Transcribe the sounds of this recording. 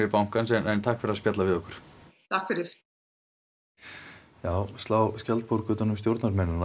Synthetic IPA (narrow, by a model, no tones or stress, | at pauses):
ɛɾpawŋ̥kansɛnɛnt̪ʰahkfɛɾaspjat̪lavɪðɔhkʏ̥ɾ̥t̪ʰahkfɛɾɪɾ̥ | jaːwst̪laːwskcɛlt̪̚pʰoɾkʏːt̪anʏmst̪jowɾt̪naɾmɛnːʏna